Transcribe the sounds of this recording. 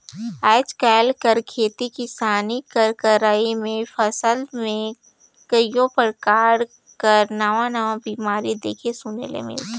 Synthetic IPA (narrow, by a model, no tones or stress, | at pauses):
aːt͡ʃkɛːlkəɾkʰeːt̪ikɪsaːnikəɾkəɾaːimẽfʰəsəlmẽ | kəjõpəɾkaːɾ | kɐəɾnaʋãnəʋãbiːmaːɾid̪eːkʰesʊnḛlḛmɪ̰l